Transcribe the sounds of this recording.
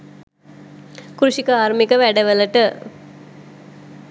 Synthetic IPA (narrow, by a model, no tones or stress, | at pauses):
kɾuʃikəaːɾmikəʋæɖəʋələʈə